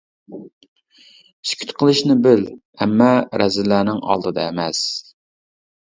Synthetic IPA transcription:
iskʲʰy̥t̪qʰəlˠɨʃnɪbɪl | ɛmːɑɾɛzɪlːæːnɪŋɑ̰lˠd̪ɨd̪ɑɛmɛs

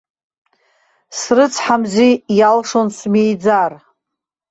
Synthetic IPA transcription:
srɨt͡sʰħamzʷijalʂonsmejd͡zar

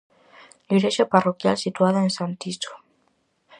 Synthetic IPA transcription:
liɾeʃaparokjalsit̪uaðaensant̪iso̥

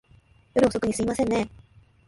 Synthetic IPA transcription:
joɾɯ̟oso̞kɯ̟ɲ̟isɨimasẽnːe̞

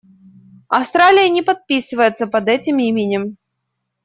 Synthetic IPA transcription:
ɐfst̪ɾalʲɪjənʲɪpɐt̪̚pʲisɨvəjɪt̪səpɐd̪ɛtʲɪmimʲɪnʲɪm

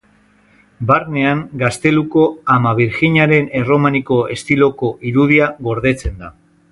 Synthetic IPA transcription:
baɾne̞aŋɡast̪e̞luko̞amaβ̞iɾxiɲaɾe̞ne̞ro̞maniko̞e̞st̪ilo̞ko̞ʔiɾuð̞iaɣo̞ɾð̞e̞t͡se̞nd̪a

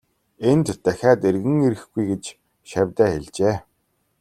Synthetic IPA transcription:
ent̪ːæxʲaːt̪erɣɘ̆ŋeɾɘ̆xɡujɡet͡ɕ | ʃæwʲt̪æːxeɮt͡ɕeː

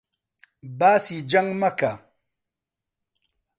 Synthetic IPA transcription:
basid͡ʒaŋmaka

